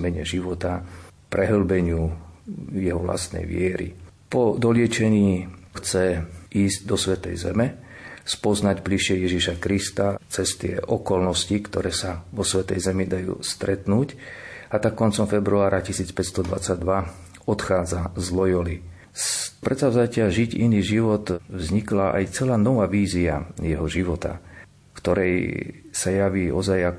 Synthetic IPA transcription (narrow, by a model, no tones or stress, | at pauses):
mɛɲɛ̰ʒiʋɔt̪a | pɾɛɦl̩bɛɲɪu | jɛɦɔʋla̰st̪nɛ̰jʋɪɛɾḭpɔd̪ɔlɪɛt͡ʃɛɲiːxt͡sɛʔiːzɟd̪ɔsʋɛt̪ɛ̰jzɛmɛ | spɔznaɟbliʃɪɛjɛʒiʃakɾist̪at͡sɛst̪ɪɛ̰ʔɔkɔlnɔscikt̪ɔɾɛːsaʋɔsʋɛt̪ɛjzɛmid̪ajṵːst̪ɾɛt̪nuːcat̪akkːɔnt͡sɔmfɛbɾuaːɾacisiːt͡spɛtst̪ɔd̪ʋa̰t͡saɟd̪ʋa | ɔt̪xaːd͡zazlɔjɔli | spɾɛt̪saʊzacɪaʒiɟḭniːʒiʋɔt̪vzɲiklaʔa̰jt͡sɛlaːnɔʋaːʋiːzia̰jɛɦɔʒiʋɔt̪a̰ | fkt̪ɔɾɛjsajaʋiːʔɔzajak